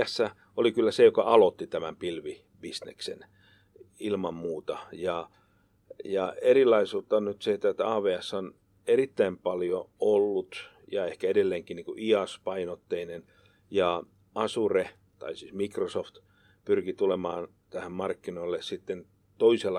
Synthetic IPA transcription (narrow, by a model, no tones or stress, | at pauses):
æsːæ | olikylːæsejokɑʔɑlot̪ːit̪æmæmpilʋi | b̥isnḛksḛn | ilmɑmmuːt̪ɑjɑ | jɑerilːˑɑisuːt̪ːɑonnyt̪seet̪ːæet̪ːæɑːʋeːæsːon | erit̪ːæimpɑljoolːut̪ | jɑehkæedelːeːŋkiniːŋkuʔiɑspɑinot̪ːeinen | jɑ | ɑsure | t̪ɑ̰isiːsmikrosoft̪ | pyrkit̪ulemɑ̰ːn | t̪æhæmmɑrkːinoilːesit̪ːen | t̪oiselːɑ